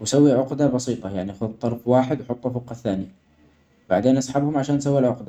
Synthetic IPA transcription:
wɪsawːiʕʊqd̪abɑsiːt̪ˤɑjaʕniʔxʊðt̪ˤːɑɾˤfwaːħɪd̪wħʊt̪ˤːufʊqːɑθːaːni | wbaʕd̪eːnʔɑsˤħabhʊmʕaʃaːnʔs̬awːilʕʊqd̪a

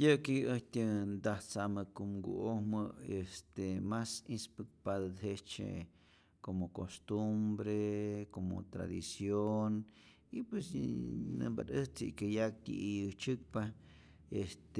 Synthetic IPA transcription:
jɨkiɨht̪ʲɨnd̪aht͡samɨkumɡṵʔohmɨest̪emasispɨk̚paðɨd̪ɦet͡ʃḛ | komokost̪umbɾekomo̰t̪ɾa̰d̪isjon | ipwesnɨ̰mba̰ɾɨht͡sḭkajak̚t̪ʲḭʔijɨt͡ʃɨk̚pa | est̪

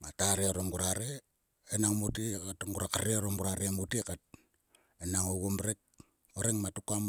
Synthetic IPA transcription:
mataɾeoɾoŋɡuɾaɾe | enaŋmutikatŋɡuɾakaɾeoɾoŋɡuɾaɾemutikat̚ | enaŋoɡomɾek̚ | oɾeŋmatukam

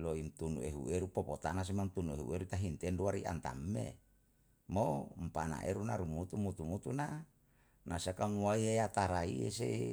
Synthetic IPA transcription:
loint̪unṵeɦṵeɾupɔpot̪anas̬imant̪unueɦṵeɾut̪aɦint̪ɛnduaɾiʔa̰nt̪a̰mːḛ | mompana̰ʔḛɾunaɾumut̪umut̪umut̪una | nasiakaŋuaieat̪aɾaḭḛsḛ

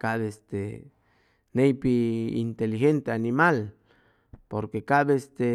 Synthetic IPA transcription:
kaβeest̪e | nejpiḭnt̪elixent̪eanimal | poɾkekaβest̪e

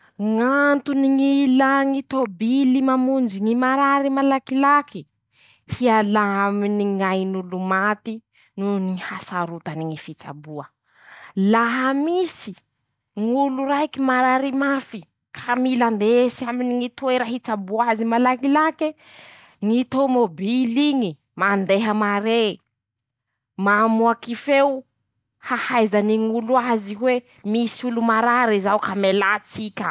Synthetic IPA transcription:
ŋant̪uniŋilaŋit̪obilimamund͡ʒiŋimaɾaɾimalakilaki | hialaminiŋajnulumat̪i | nunihasaɾut̪aniŋifit͡sa̰buə | laɦamisi | ŋuluɾajkimaɾaɾimafi | kʰamiland̪esaminiŋit̪uweɾaɦit͡sabuazimalaŋilake | ŋit̪omobiliŋi | mand̪eɦəmaɾe | mamuakifew | hahajzaniŋuluaziɦwe | misiulumaɾaɾizawkamelat͡sikʲə

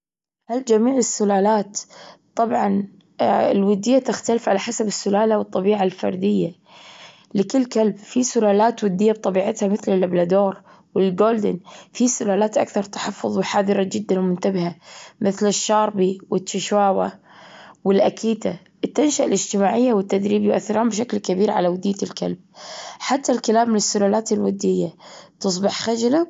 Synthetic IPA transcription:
hald͡ʒamiːʕɪsːʊlaːlaːt̪t̪ˤːɑbʕɑn | ɪlwʊd̪ːɪjːat̪ɪxt̪alɪfʕalaħasabɪsːʊlaːlawɨt̪ˤːɑbiːʕalfɑ̰ɾˤd̪ɪjːa | lɪkɪlːkalbfisʊlaːlaːt̪wʊd̪ːɪjːab̚t̪ˤɑbiːʕɪt̪hamɪθlɪlʔablad̪oːɾˤ | wɪlɡoːld̪ɪ̰nfisʊlaːlaːt̪ʔa̰kθɑɾˤt̪ḁħɑfːʊðˤwɪħaːðɨɾˤɑd͡ʒɪd̪ːanwmʊnt̪abɪhamɪθlɪʃːɑːɾˤbiwɪtːɪʃwaːwa | wɪlʔakʰiːt̪a | ʔɪt̪ːanʃaʔɪlɪd͡ʒt̪ɪmaːʕɪjːawɪt̪ːad̪ɾiːbjʊʔa̰θːɪɾhʊmbʃaklkabiːɾʕa̰lawad̪iːtɪlka̰lb̥̚ħat̪ːalkalaːmːɪnɪsːʊlaːlaːt̪ɪlwad̪ːɪjːat̪ɨsˤbɪħxad͡ʒla

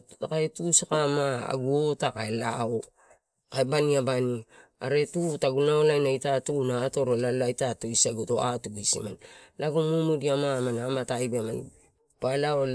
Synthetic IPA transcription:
akaetuskamaa̰ɡuotakaelao | kaebaniabani | a̰ɾe̞tutaɡunaolajnaitatunaːto̞ɾolaloajtatoisaɡuto̰a̰tuɡuisḭmanlaɡomumudiamamanamatajbeman | palao

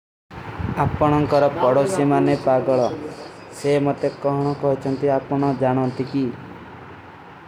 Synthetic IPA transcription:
apɔɽ̃ɔŋkɔɾɔpɔɽosemanepaɡɔɭɔ | semɔt̪ekɔɦɔɽ̃ɔkɔɦit͡ʃʰɔnt̪iapɔɽ̃ɔd͡ʒaɽ̃ɔnt̪iki

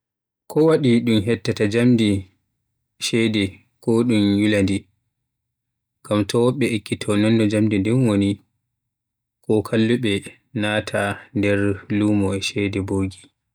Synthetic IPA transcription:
kʰɔwaɗiɗumɦɛtːatad͡ʒamdi | ʃɛdɛ | kɔɗumjulandi | ɡ̥amtʰɔwɔɓːɛekːitʰɔnɔnːɔd͡ʒamdindɛnwoni | kɔkʰalːuɓɛ | naːtʰandɛɾluːmɔɛʃɛdɛboːɡi

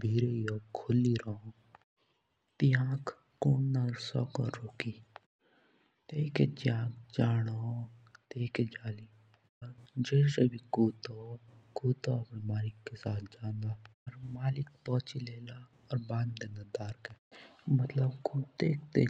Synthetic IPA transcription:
bʱiːɾeːjoːkʰʊliːɾoõ | t̪iãːk | kuːnnaːlsɔ̰ːkə̰ɾɾoːkiː | t̪eːked͡ʒãːɡd͡ʒaːɽoːt̪eːked͡ʒaːliː | əɾd͡ʒeːsebiːkoːt̪okuːt̪oːpmaːlɪkːesaːt̪d͡ʒaːnd̪aːəɾmaːlɪk̚pɔːt͡ʃileːlaː | ɔɾbãːnd̪d̪eːnad̪aːɾkɛːmət̪ləbkuːt̪eːk̚t̪e

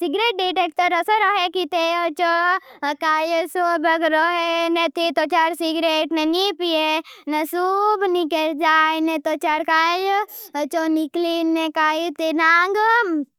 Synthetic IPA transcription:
siɡɾeʈ̚ɖiʈek̚ʈəɾəsəɾɔɦekit̪eət͡ʃokaːjsobəkɾɔɦenet̪et̪ot͡ʃaɾsiɡɾeʈnenipienesubnikeɾd͡ʒaːnet̪ot͡ʃaɾkajt͡ʃoniklinekaːjit̪enaŋɡ

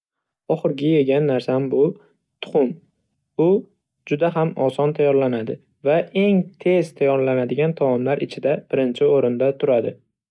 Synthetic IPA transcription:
ɒχɨɾɡʲɪje̞ɡʲanːaɾsambʊ | t̪ʰʊ̥χʊm | ʊ | d͡ʒʊd̪aɦamɒsɒnt̪ʰajɒɾlanad̪ɪ | vaʔe̞ŋt̪ʰe̞zt̪ʰajɒɾlanad̪ɪɡʲant̪ʰawɒmlaɾʔɪt͡ʃʰɪd̪ab̥ɪɾɪnt͡ʃʰɪoɾɪnd̪at̪ʰʊɾad̪ɪ

